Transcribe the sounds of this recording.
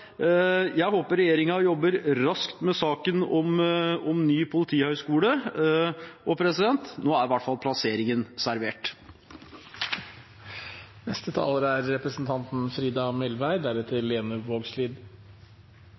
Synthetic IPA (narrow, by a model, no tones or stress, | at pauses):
jæɪhoːpəɾɛjeːɾɪŋɑjɔbːəɾɾɑskt̪mɛsɑːkənɔmɔmnyːpʰʊlɪt̪ʰiːhœʏskuːlə | ʔɔpʰɾɛsɪd̪ɛnt̪noːæɾʋæʈfɑlˠpʰlɑseːɾɪŋənsæɾʋeːʈ | nɛst̪ət̪ʰɑ̰ːləɾəæɾːɛpɾəsn̩t̪ʰɑnt̪n̩fɾiːd̪ɑmɛlʋæɪd̪æɾət̪ʰɪlːeːnʉʋoːɡsliːd̪